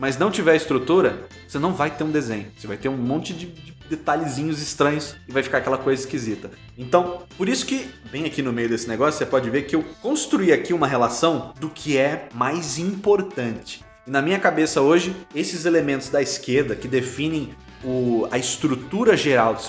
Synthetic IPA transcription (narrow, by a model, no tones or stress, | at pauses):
mɐsnɐ̃w̃t͡ʃivɛɾɪst̪ɾut̪uɾɐ | osenɐ̃w̃vajt̪eɾũd̪ezḛ̃ɲ̃ʊosevajt̪eɾũmõnt͡ʃɪd͡ʒɪd͡ʒɪd̪et̪aʎɪzĩɲʊzɪst̪ɾɐ̃ɲʊsɪvajfi̥kaɾakɛlɐkojzɐɪskizit̪ɐ | ẽnt̪ɐ̃w̃poɾisʊ̥kɪvẽj̃ɐkinʊmejʊd̪esɪneɡɔsjʊsepɔd͡ʒɪveɾkɪewkõst̪ɾuiakiũmɐɦelasɐ̃w̃d̪ʊkʰɪɛmajzĩpoɾt̪ɐ̃nt͡ʃɪ̥ | ɪnɐmĩɲɐkabesɐoʒɪesɪzelemẽnt̪ʊzd̪ɐɪskeɾd̪ɐkɪd̪efĩnẽj̃ | ʊɐɪst̪ɾut̪uɾɐʒeɾawd̪ɪ